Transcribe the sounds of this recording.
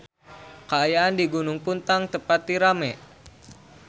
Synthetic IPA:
kəajaandiɡunʊŋpunt̪aŋt̪əpat̪ːiɾamɛ

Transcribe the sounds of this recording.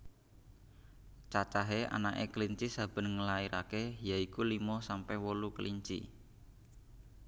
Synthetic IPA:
t͡ʃat͡ʃaɦea̰naʔḛkəliɲt͡ʃisab̥ə̤nŋəlaiɾakejaikulimɔsampɛhwolukəliɲt͡ʃḭ

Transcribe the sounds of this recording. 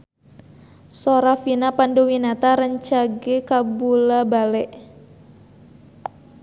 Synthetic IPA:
soɾafinapandowinat̪aɾəɲt͡ʃaɡekabulabalɛʔ

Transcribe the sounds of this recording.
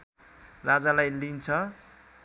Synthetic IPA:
rad͡zalajlint͡sʰʌ

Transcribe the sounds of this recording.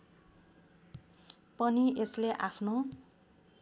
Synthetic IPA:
pʌniesleʔapʰno

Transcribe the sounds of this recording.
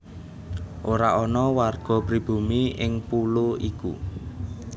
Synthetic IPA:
ʔoɾaʔɔnɔwarɡ̥ɔ̤pɾib̥ṳmiɪŋpuluikṵ

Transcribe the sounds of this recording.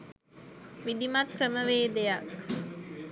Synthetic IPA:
ʋid̪imɐʈkɾəməʋeːd̪ejɐk

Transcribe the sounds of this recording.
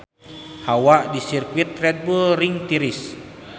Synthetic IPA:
hawaʔdisirkwit̪rɛt̪̚bulɾiŋt̪iɾis

